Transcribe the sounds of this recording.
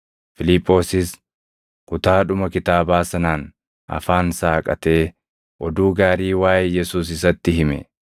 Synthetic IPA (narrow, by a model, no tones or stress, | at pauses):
fɪlɪpʼːo̞ːsɪs | kʊt̪aːᶑʊmɐkɪt̪aːbaːsɐnaːn | ʔɐ̰faːnsaːkʼɐ̰t̪e̞ː | ʔɔd̪uːɡaːɾiːwaːjjɛsuːs̬ɪs̬ɐt̪ːɪɦɪmɛ̰